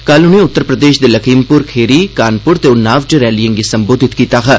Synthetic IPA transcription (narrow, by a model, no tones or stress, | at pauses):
kɐlʊnẽːʊt̪ːəɾpɾəd̪eːʃd̪eːləkʰiːmpʊɾkʰeːɾiːkaːnpʊɾt̪eːʊnaːʋʈeɾɛːlijə̃ŋɡesəmboːd̪ʱɪt̪kiːt̪aːɦɛː